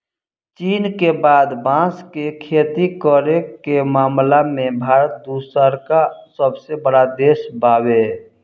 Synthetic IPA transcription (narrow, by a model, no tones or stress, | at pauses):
t͡ʃiːnkebaːd̪bãːskekʰeːt̪ikɔɾekemaːmlamẽbʱaːɾət̪̚d̪uːsəɾkasəbsebəɽad̪eːsbaːwe